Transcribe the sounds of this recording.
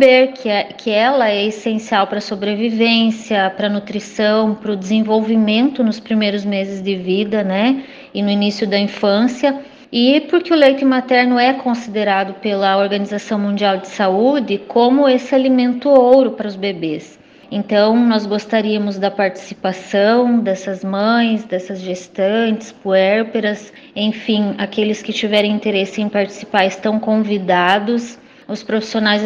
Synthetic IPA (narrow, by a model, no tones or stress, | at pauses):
beɾkʰɪkʰɪɛlɐɛesẽsiawpɾɐsobɾevivẽsiɐpɾɐnut̪ɾisɐ̃w̃pɾʊd̪ɪzẽvowvimẽnt̪ʊnʊspɾimejɾʊzmezɪzd̪ɪvid̪ɐnɛ | ɪnʊinisjʊd̪ɐĩfɐ̃sjɐ | ɪpʊɾkɪʊlejt̪ʊmat̪ɛɾnʊɛkõsid̪eɾad̪ʊpelɐoɾɡɐnizasɐ̃w̃mũnd͡ʒiawd̪ɪsaud͡ʒɪkõmʊesɪalimẽnt̪ʊowɾʊpɾɐʊzbebes | ẽnt̪ɐ̃w̃nɔzɡost̪aɾiɐmʊzd̪ɐpaɾt͡ʃi̥sipasɐ̃w̃d̪ɛsɐzmɐ̃j̃sd̪ɛsɐzʒest̪ɐ̃nt͡ʃɪ̥spuɛɾpeɾɐs | ẽfĩakelɪskɪt͡ʃivɛɾẽw̃ĩnt̪eɾesɪẽpaɾt͡ʃi̥sipaɾɪst̪ɐ̃w̃kõvid̪ad̪ʊs | ʊspɾofi̥sionajz